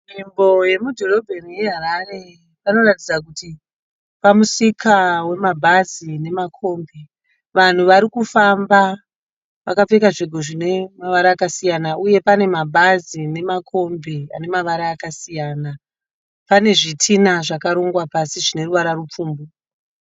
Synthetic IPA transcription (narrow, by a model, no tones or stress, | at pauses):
mimbo̞je̞mudʱo̞ro̞bʱerije̞ɦaɾare̞ | pano̞ratid͡zak̬uti | pamusikawe̞mabʱazine̞makʰo̞mbe | ʋan̤uʋaɾikufamba | ʋa̰kap͡fekaʐeɡʱo̞ʐine̞maʋaɾaːkasijanauje̞pane̞mabʱazine̞makʰo̞mbea̰ne̞maʋaɾaːkasijaːna | pane̞ʐitʰinaʐakaɾoŋɡwapasiʐine̞ruʋaɾarup͡fuːmbu